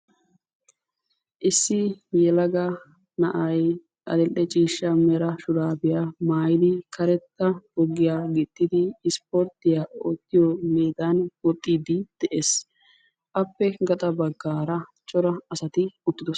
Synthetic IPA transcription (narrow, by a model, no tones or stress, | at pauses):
ʔɪsːɪmjɛlɐɡɐ | nɐʔɐj | ʔɐ̰d̪ɛlːɛt͡ʃʼiːʃːɐmɛɾɐʃʊɾaːbɪjamaːjɪd̪ɪkʰɐɾɛt̪ːɐbɔɡːɪjaɡɪt̪ːɪd̪ɪːspoɾt̪ɪjao̰ːt̪ːɪjɔmeːd̪ɐnwɔt̪ʼːiːd̪ɪd̪̥ɛʔeːs | ʔɐpːɛɡɐt̪ʼɐbɐɡːaːɾɐt͡ʃʼɔɾɐɐsɐt̪ɪʊt̪ːɪd̪ɔs